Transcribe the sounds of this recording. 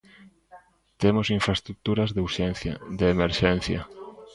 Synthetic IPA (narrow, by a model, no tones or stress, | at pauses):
t̪emosiɱfɾaest̪ɾuk̚t̪uɾɐzðeuɾʃeθd̪eːmeɾʃen̟θjɐ̰